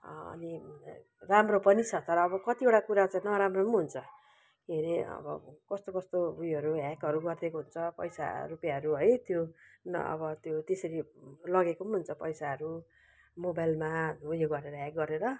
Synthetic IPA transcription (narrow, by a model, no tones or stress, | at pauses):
ʌ̰ni | ramropʌnit͡sʰʌt̪ʌɾʌːbʌkʌt̪ieʈakuɾat͡saĩnʌɾamronɦunt͡sʰʌ | keɾeʌ̰bʌ̰kʌst̪okʌst̪obujʌɾuɦakʌɾuɡʌrd̪ekoɦunt͡sʰʌpʌ̰jsa̰rupjaʌɾuɦʌjt̪jonʌ̰bʌt̪jot̪esʌɾilʌɡekonɦunt͡sʰʌpʌjsaɦʌɾu | mobajlmaɦujoɡʌɾeɾʌɦak̚ɡʌɾeɾʌ